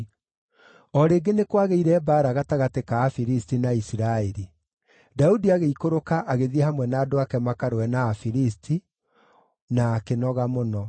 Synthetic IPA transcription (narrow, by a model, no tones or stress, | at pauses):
ɔɾeːɡenekwaɣeiɾɛbaːɾaɣataɣatekaːfiɾistinaisiɾaɛɾi | daudiaɣeikoɾokaʔaɣeðiɛhamwɛnaːdoakɛmakaɾoɛnaːfiɾistʰi | naːkenɔɣamonɔ